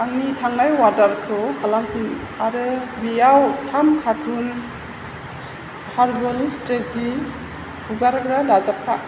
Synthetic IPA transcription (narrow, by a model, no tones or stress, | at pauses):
aŋnitʰaŋnajwadaɾkʰɯwkʰalamkʰɯn | aɾɯbijawtʰamkʰatʰun | haɾbɔlistezi | pʰuɡaɾɡɾadazap̚kʰa